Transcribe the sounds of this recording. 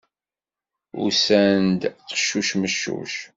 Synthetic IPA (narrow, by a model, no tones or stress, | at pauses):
ʊ̰sænd̪tə̥ʃːuʃməʃːṵʃ